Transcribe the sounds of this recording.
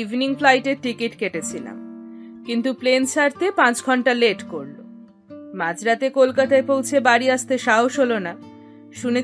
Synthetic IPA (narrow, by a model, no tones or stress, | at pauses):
ivniŋflajʈeʈːikiʈkeʈet͡ɕʰila̰mkint̪uplensaɾt̪epãt͡ɕɡʱɔɳʈaleʈkoɾlo̰ | mad͡ʑɾat̪ekolkat̪aepowt͡ɕʰebaɾiaʃt̪eʃaɦoʃɦolona | ʃune